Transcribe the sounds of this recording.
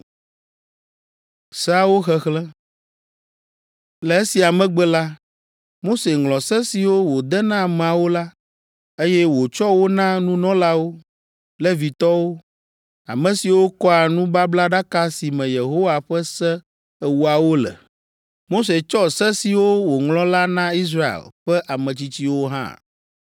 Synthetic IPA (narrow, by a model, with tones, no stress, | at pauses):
sa˦wo˦xɛ˦xlɛ̃˦ | lɛ˨˦e˦si˨a˨mɛ̃˦ɡ͡bɛ˦la˦ | mo˦se˨ŋlɔ̃˨sɛ˦si˨wo˦wo˨d̪ɛ˦nã˦˨mɛ̃˨a˨wo˦la˦ | e˦jɛ˦wo˨t͡ʃɔ˦wo˦nã˦nũ˦nɔ̃˦la˦wo˦ | lɛ˦vi˨t̪ɔ˦wo˦ | a̰˨mɛ̃˨si˨wo˦kɔ˦a˨nũ˦ba˦bla˦ɖa˦ka˦si˨mɛ̃˨je˨ɦo˦wa˨ɸɛ˦sɛ˦ | ɛ˦wu˦a˨wo˦lɛ̰˨ | mo˦s̬e˨t͡ʃɔ˦sɛ˦si˨wo˦wo˨ŋlɔ̃˦la˦nã˦i˦s̬ɾa˦ḛ˨lɸɛ˦ʔa˨mɛ̃˨t͡ɕi˦t͡ɕi˦wo˦ɦã̰˦˨